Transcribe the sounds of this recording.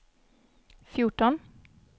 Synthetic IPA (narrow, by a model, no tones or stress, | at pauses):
fjʊʈɔn